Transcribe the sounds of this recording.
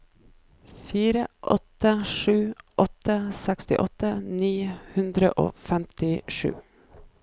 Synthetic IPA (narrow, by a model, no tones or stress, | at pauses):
fiːɾəʔɔt̪əʂʉːʔɔt̪əsɛkst̪ɪ̰ʔɔt̪əniːhʉnd̪ɾə̰ʔo̰ːfɛmt̪ɪʂʉ̰ː